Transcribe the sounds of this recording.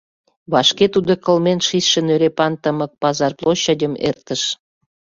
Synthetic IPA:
βɑʃket̪ud̪okəlmenʃisʃĕnøɾepɑnt̪əmə̆k̚pɑzɑrplˠoɕːɑdʲəmḛrt̪əʃ

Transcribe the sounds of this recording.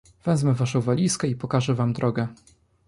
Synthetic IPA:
v̥ɛzmɛvaʂɔ̃w̃valʲiskɛipɔkaʐɛvamd̪ɾʔɔɡɛ

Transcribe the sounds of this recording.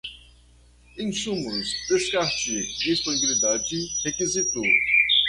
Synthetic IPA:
ĩsũmʊsd̪eskaɾt͡ʃid͡ʒesponibilid̪ad͡ʒɪhekizit̪o

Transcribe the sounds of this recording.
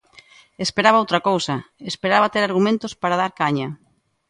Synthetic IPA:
espeɾaβaowt̪ɾɐkowsɐespeɾaβɐt̪eɾaɾɣumẽnt̪ospaɾað̞aɾkaɲɐ

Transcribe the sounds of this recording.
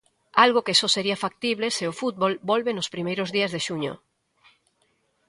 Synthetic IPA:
alɣokesɔseɾiafak̚t̪iβ̞leseʊfut̪̚βolbɔlβenʊspɾimejɾʊzðiɐzðeʃuɲo̰

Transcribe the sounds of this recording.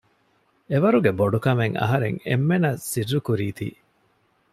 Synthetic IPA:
eʋɐɾuɡeboɖukɐmeŋɐ̰ɦɐɾḛŋḛmːenɐsirːukuɾiːt̪ḭː

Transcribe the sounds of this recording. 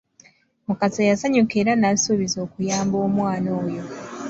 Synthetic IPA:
mukazejasaɲukeɾanasuβizo̞ːkujaːmbo̞ːmwaːno̞ːjo̞

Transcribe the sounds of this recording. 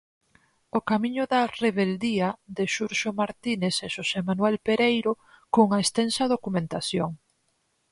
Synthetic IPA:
okamĩɲʊðɐreβeld̪iɐðeʃuɾʃomaɾt̪ineseʃosemanwɛlpeɾejɾo | koŋɐest̪ɛnsɐðokumẽnt̪aθjoŋ

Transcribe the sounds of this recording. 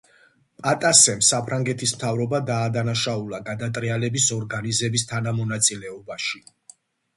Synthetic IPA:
pʼat̪ʼasɛmsapʰɾaŋɡɛt̪ʰismt̪ʰavɾɔbad̪aːd̪anaʃaulˠaɡad̪at̪ʼɾialɛbisɔɾɡanizɛbist̪ʰanamɔnat̪sʼilɛɔbaʃi

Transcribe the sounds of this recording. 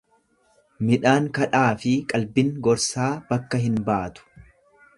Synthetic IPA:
mɪᶑaːŋkɐᶑaːfɪkʼɐlbɪŋɡɔɾsaːb̥ɐkːɐɦɪnbaːt̪ʊ̥

